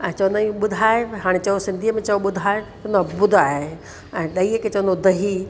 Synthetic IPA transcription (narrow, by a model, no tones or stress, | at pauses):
ɛ̃ːt͡ʃɐʋ̃nd̪aiũɓʊd̪ʱaːeɦaːɽ̃et͡ɕɐʋosɪ̃nd̪ʱiəmẽt͡ʃɐoɓʊd̪ʱaːet͡ɕɐ̃nd̪abʊd̪ʱaːɦe | ɛ̃ːɗɐiəket͡ɕɐʋ̃nd̪od̪ɐɦi